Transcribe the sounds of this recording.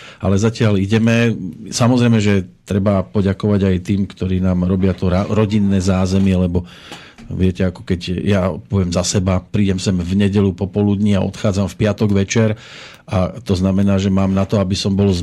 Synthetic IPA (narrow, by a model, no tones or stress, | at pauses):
alɛzacɪaliɟɛmɛsamɔzɾɛjmɛʒɛt̪ɾɛbapɔɟakɔʋaɟajt̪iːmkt̪ɔɾiːnaːmɾɔbɪat̪ɔɾaɾɔɟinːɛːzaːzɛmɪɛlɛbɔ | ʋɪɛcɛakɔ̥kɛɟjapɔʋɪɛmzasɛbapɾiːɟɛmsɛmvɲɛɟɛʎupɔpɔlud̪ɲiaʔɔ̰t̪xaːd͡zamfpɪat̪ɔɡʋɛt͡ʃɛɾ | ʔat̪ɔznamɛnaːʒɛmaːmnat̪ɔabisɔmbɔlz